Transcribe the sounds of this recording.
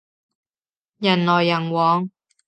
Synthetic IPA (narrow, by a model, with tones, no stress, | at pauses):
jɐ˨˩nlɔː˨˩jːɐ˨˩ŋwɔː˨˧ŋ